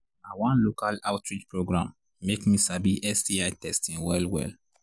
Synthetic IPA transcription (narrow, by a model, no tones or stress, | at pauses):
awãnlokalaʊtɹid͡ʒpɹoɡɹãmː | ekmisabiʔɛsdiajtɛstĩŋwɛlwɛ̰l